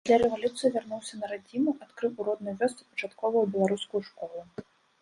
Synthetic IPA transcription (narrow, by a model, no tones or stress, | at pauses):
d̪lʲaɾɛvalʲut̪sɨjivʲarnuwsʲɐnɐɾad͡zʲinuʔat̪kɾɨwuɾɔd̪nɨjvʲɔst̪sɨpɐ̥t͡ʂat̪kɔvɐwbʲɛlˠaɾuskʊjuʂkɔlˠu